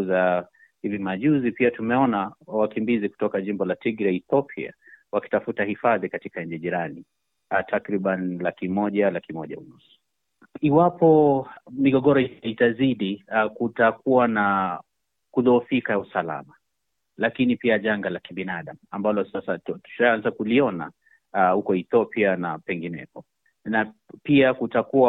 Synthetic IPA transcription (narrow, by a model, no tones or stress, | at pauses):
za | hivimaʄuzipiatumɛɔnawakimbiziku̥tɔkaʄimbɔlatiɡɾaiθɔpʰia̰waki̥tafutahifaðikatikaɲ̩d͡ʒɛʄiɾani | tʰakɾiɓanlakimɔʄalakimɔʄa̰ṵnusu̥ | iwapɔmiɠɔɠɔɾɔitaziɗikutakuwana | kuðɔːfikausala̰ma | lakinipiaʄaŋɡalakiɓinaɗamuambalɔsasatu̥ʃaanzakuliɔna̰ | hukɔiθɔpianapɛŋɡinɛ̰kɔ | napiakutakuwa